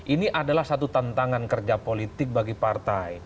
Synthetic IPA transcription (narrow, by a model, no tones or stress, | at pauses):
ʔiniʔadalahsat̪ut̪ant̪aŋankərd͡ʒapolit̪ɪk̚baɡipart̪ai